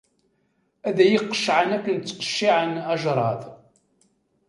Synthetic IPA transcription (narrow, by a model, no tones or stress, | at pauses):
æðæjiqːə̥ʃʕənækːənt͡sːqə̥ʃːiʕənæʒɾˤɑð